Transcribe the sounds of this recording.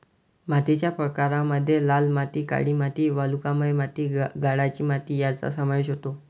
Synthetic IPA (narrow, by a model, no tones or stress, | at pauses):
mat̪it͡ɕjapɾəkaɾaməd̪ʱːjelalmat̪iːka̰ɽiːmat̪iːʋalukaməjmat̪iːɡaɽat͡ɕiːmat̪iːjat͡sa̰səmaiɕɦot̪o